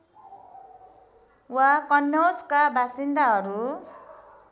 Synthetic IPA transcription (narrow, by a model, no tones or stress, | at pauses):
wakʌnːʌwd͡zkabʱasind̪aɦʌɾu